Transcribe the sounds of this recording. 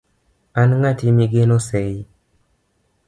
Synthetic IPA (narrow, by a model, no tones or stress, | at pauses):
anŋatimiɡenosɛj